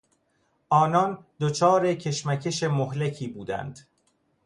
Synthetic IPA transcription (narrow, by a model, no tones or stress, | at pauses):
ʔɒːnɒnd̪ot͡ʃʰɒːɾecʰe̞ʃmæcʰe̞ʃe̞moɦlecʰiːbuːd̪æ̰nd̪̥